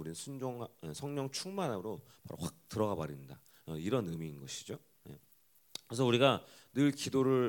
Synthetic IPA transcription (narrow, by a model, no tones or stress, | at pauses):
uɾinɯnsʰund͡ʑoŋesʰʌŋɲʌŋt͡ɕʰuŋmanaɾo | pa̰ɾo̰ɸwak̚tɯɾʌɣabaɾinnda | ʌiɾʌnɯmiːnɡʌɕʰid͡ʑo | jḛ | kɾes̬ʰʌuɾiɡanɯɭkidoɾɯɭ